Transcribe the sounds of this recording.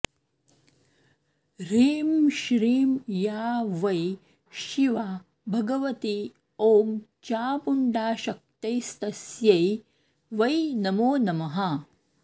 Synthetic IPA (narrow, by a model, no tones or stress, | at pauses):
ɾiːmʃɾiːmjaːʋɐj | ʃiʋaː | bʱɐɡɐʋɐt̪i | oːɡt͡ʃaːpuɳɖaːʃɐk̚t̪ɐjst̪ɐsjɐj | ʋɐjnɐmoːnɐmɐɦɐ